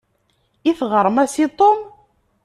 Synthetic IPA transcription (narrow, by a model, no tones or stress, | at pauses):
iθʁəɾˤmæsit̪ˤom